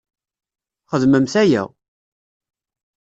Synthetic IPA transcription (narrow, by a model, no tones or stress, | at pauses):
χəðməmθæjæ̰